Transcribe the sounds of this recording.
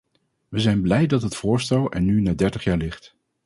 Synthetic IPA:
ʋəzɛjnblɛjdɑtɦətfʊːɹstɛlˠɛ̰nynaːdɛɹtəχjaːɹlɪχt

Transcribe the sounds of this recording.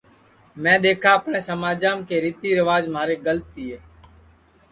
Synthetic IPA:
mɛ̃ːd̪eːkʰaːəpneːsəmaːd͡ʒaːmkeːɾiːt̪iːɾəʋaːd͡ʒmaːɾeːɡəlt̪iːɦɛː

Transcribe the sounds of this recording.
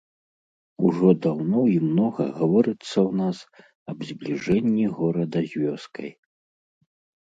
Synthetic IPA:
uʐɔd̪awnɔimnɔɣɐ̰ɣavɔɾɨt̪sːɐwnas | ɐbzʲblʲiʐɛnʲːiɣɔɾɐd̪ɐzʲvʲɔskɐ̰j

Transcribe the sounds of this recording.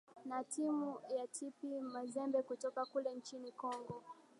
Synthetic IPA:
natimujatʰipimazɛmbɛkutɔkakulɛnt͡ʃinikɔŋɡɔ

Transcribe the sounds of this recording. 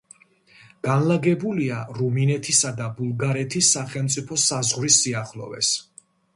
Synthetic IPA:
ɡ̥anlˠaɡɛbuliaɾuminɛt̪ʰisad̪abulˠɡaɾɛt̪ʰisːaχɛlˠmt̪sʼipʰɔsazʁwɾisːiaχlˠɔ̰vɛ̰s

